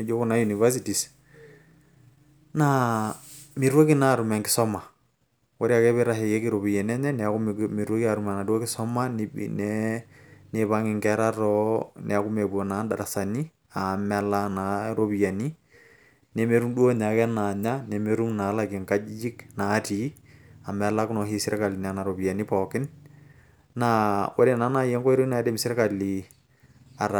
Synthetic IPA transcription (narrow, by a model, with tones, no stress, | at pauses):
ne˨d͡ʒo˦ku˦na˦ju˨ni˨va˦s̬iti˨s | na˦ | mi˨ɾwo˦ki˦na˨ɾu˨mɛ˨ŋɡɪ˨sɔ˦ma˨ | wɔ˦ɾi˦a˨kɛ˦βɛ˦ɾa˨ɦɛ˨jɛ˦ki˦ɾo˨βi˨jɛ˨nɛ˦ɲɛ˦nɛ˨a˨ku˦mi˨ɾwo˦ki˦a˨ɾu˨ma˨na˨dwo˦kɪ˦sɔ˦ma˦ni˦b̰nɛ | ne˨βa˦ŋɪ˨ŋkɛ˦ɾa˦ɾɔ˦nʔɛ˨a˨ku˦mɛ˨bɔ˨na˨˦nda˨ɾa˨sa˨ni˦ | a˨mɛla˦na˨ɾo˦bi˨ja˨ni˦ | nɛ˨me˦ɾu˦mdu˦o˦ɲa˨kɛ˦na˨ɲa˦nɛ˨me˦ɾu˦mna˨˦la˨kɪ˨ŋka˦d͡ʒd͡ʒɪ˦kna˨˦ti˦a˨mɛ˨˦la˦kʊnɔ˨hi˦sɪ˦ɾʔɛ˦ka˨lɪ˨na˨na˨ɾo˨bi˨ja˨ni˦pɔ˨kɪ˦n | na˦wʔɔ˦dɛ˨na˦na˦jɛ˦ŋkɔ˦i˦ɾo˦na˨˦dɛ˦mɪsɪ˦ɾɛ˦ka˨li | a˨ɾ